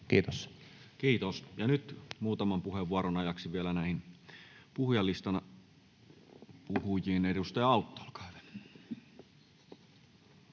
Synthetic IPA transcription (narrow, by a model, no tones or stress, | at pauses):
kiːt̪os | kiːt̪osjɑnyt̪muːt̪ɑmɑmpuheʋːuɑɾonɑjɑksiʋielænæˑihinpuhjɑlːist̪ɑnɑ | puhujiːnedust̪ɑjɑɑˑut̪ːo̥ːlkɑ̥ˑyʋe̥